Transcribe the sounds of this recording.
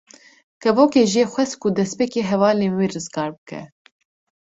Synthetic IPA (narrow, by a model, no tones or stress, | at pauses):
kʰɛvoːkeːʒijeːxʷɛs̚kud̪ɛspeːkeːɦɛvɑːleːnwiːrɨzɡɑːɾbɨkʰɛ̰